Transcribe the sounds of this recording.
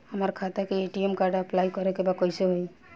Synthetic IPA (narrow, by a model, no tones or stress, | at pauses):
amaɾkʰat̪akeeʈiemkaɾɖaplajkɔɾekebakɔjseɦoj